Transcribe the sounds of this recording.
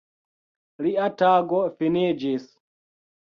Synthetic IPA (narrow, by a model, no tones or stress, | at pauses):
liataɡɔfined͡ʒis